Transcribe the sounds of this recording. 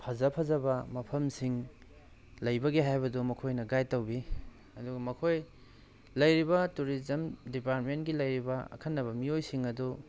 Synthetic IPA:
pʰɐzɐpʰɐzɐbɐmɐpʰɐmsiŋ | lɐjbɐɡiɦajbɐdumɐkʰojnɐɡajtɐwbi | ɐduɡɐmɐkʰoj | lɐjɾibɐtuɾizɐmdipaɾtmentɡilɐjɾibɐɐ̰kʰɐnːɐβɐmiojsiŋɐdu

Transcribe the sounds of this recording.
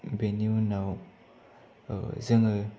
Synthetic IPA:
beninaw | zəŋə

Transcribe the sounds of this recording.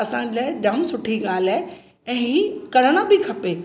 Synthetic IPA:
ɐsãd͡ʑaːɪd͡ʑɐmsʊʈʰiɠaːl̤aːɪ | ɛ̃ːɦiːkɐɾəɽ̃ə̆bɪkʰɐpeː

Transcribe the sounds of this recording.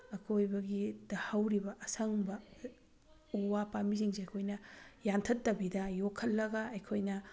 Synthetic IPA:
ɐkʰojbɐɡidɐhɐwɾibɐʔɐsʰɐŋbɐ | uwapamiziŋsiɐjkʰojnɐjantʰɐtːɐbidɐjokʰːɐlːɐɡɐɐjkʰojnɐ

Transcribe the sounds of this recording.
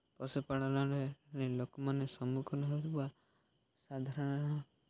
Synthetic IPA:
pɔsepaɽ̃ɔlɔlenelokɔmanesɔmukʰɔnɔɦot̪iba | sad̪ʱaɾɔɽ̃ɔnɔ

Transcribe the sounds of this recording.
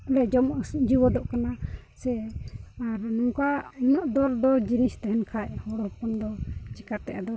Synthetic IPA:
ɽɛd͡ʒɔmd͡ʒiwɔd̪ɔʔkana | sɛ | aɾnuŋkaunaʔd̪ɔɾd̪ɔd͡ʒinist̪aɦɛnkʰaʔhɔɽɔhɔpɔnd̪ɔt͡ʃikat̪ːɛʔad̪ɔ

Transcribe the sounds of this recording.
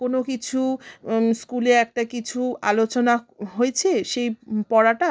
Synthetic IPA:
konokit͡ɕʰu | skuleɾɛk̚ʈakit͡ɕʰua̰lot͡ɕonaɦoet͡ɕʰeʃejpɔɽaʈa

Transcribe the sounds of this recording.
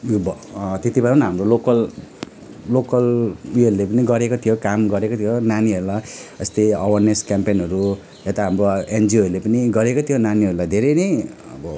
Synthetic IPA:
jobʌt̪et̪ibʌɾnɦamrolokʌl | lokʌliʌɾulepʌniɡʌɾekot̪ʰijokamɡʌɾekot̪ʰijonaniɦʌɾulaʌst̪eʌwʌrneskampenɦʌɾu | et̪aɦamroend͡ziʌɾulepʌniɡʌɾekot̪ʰijonaniʌɾulajd̪ʱeɾʌjnʌj | ʌ̰bʌ

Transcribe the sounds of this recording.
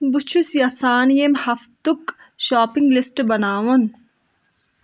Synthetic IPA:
but͡ʃʰusjɐsaːnijemhɐft̪uk | ʃaːpiŋɡlisʈbɐnaːʋɐn

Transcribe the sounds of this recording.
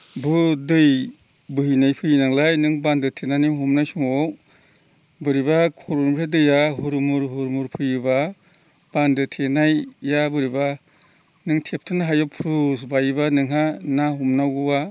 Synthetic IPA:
bɯdɯj | bɯɦinajpʰɯjɯnaŋlajnɯŋbandɯtʰenanimɦumnajsuŋɔw | bɯɾibakʰɔɾuɾmɾʰadɯjaɦuɾmuɾɦuɾmuɾpʰɯjɯba | b̥andɯtʰenajːabɯɾiba | nɯŋtʰep̚tʰɯnaɦajɔpʰɾus̬bajbanɯŋɦanaɦumnawɡɯwa

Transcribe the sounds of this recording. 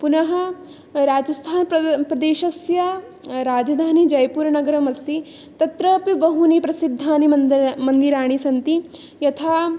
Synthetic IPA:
punɐɦɐ | ɾaːd͡ʒɐst̪ʰaːnpɾɐd̪eːʃɐsjɐ | ɾaːd͡ʒɐd̪ʱaːnid͡ʒɐjpuːɾnɐɡɐɾɐmɐst̪i | t̪ɐt̪ɾɐpbɐɦunipɾɐsid̪ʱːaːnimɐnd̪iɾaːɽ̃isɐnt̪i | jɐt̪ʰaː

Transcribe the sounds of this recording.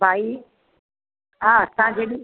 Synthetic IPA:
bʱaːi | ɦasãd͡ʒeɗi

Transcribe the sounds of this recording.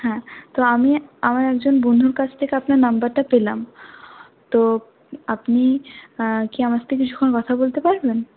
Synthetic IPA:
hɛ̃t̪oamiamaɾɛkd͡ʑonbonʱuɾkat͡ɕʰt̪ʰekeapnaɾnambaɾʈapelam | t̪o | apni | kiamat̪ekit͡ɕʰu̥kʰːonkɔt̪ʰabolt̪epaɾben

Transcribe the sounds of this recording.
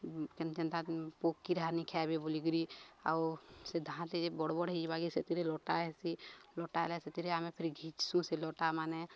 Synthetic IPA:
kent͡ʃənt̪apokːiɾanikʰɛbebuliɡɾia̰wsed̪ʱãt̪eebɔɽbɔɽid͡ʒibaɡiset̪iɾelɔʈaesilɔʈaleset̪iɾeamepʰiɾɡʱit͡ʃsũselɔʈamane

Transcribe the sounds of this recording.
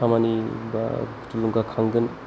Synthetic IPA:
amaniba̰ | tuluŋɡakʰaŋɡɯn

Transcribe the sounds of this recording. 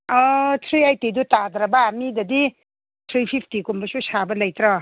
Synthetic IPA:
ɔt̪ʰɾiajtidutad̪ɾabaːmidɐdi | t̪ʰɾipʰipʰtikumbɐsusabɐlɐjt̪ɾɔ

